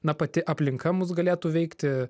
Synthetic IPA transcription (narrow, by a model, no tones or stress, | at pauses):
nɐpɐt̪ʲɪʔɐpʲlʲɪŋkɐmʊs̬ɡɐlʲeːt̪uːʋʲɛɪkt̪ʲɪ